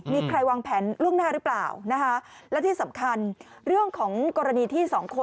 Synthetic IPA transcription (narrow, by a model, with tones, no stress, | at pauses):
miː˧kʰɾa˧jwaː˧ŋpʰɛː˩˦nlu˥˩əŋnaː˥˩ɾɯː˦˥pla̰ː˨˩wna˦˥kʰa˦˥lɛ˦˥wt̪ʰiː˥˩sa˩˦mkʰa˧n | ɾɯ˥˩əŋkʰɔː˩˦ŋkɔː˧ɾa˧niː˧t̪ʰiː˥˩sɔː˩˦ŋkʰo˧